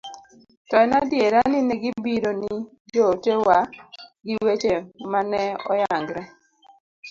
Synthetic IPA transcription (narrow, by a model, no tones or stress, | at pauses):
tɔjnadjeɾanɪnɛɡibiɾoni | d͡ʒotewaɡɪwet͡ʃemanɛɔ̰jaŋɡɾɛ